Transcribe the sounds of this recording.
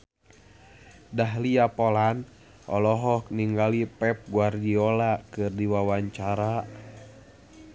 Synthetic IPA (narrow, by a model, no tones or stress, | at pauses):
daɦliapolan | ʔɔ̰lɔɦɔk̚niŋɡalipɛp̚ɡuardiɔlakɨrdiwawaɲt͡ʃaɾa